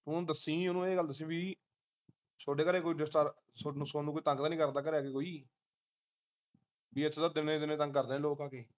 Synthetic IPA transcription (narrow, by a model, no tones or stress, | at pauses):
ʊ̃ːd̪əsĩːʊnũːeːɡəld̪əs̬ĩːbiː | soːɖeːkəɾeːkoːiːɖɪsʈəɾ | soːsoːnuːkoiːt̪ə̃ŋɡt̪anĩːkəɾd̪aːk̬əɾeaːkekoːiː | biːəd̪ad̪ɪneːd̪ɪneːt̪ə̃ŋɡkːəɾd̪ẽːloːkãːkeː